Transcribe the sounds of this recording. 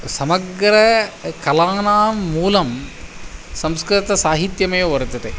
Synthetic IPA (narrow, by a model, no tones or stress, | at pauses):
sɐmɐɡɾɐkɐlaːnaːmːuːlɐm | sɐmskɾit̪ɐsaːɦit̪jɐmɐjoʋɐɾut̪ɐt̪e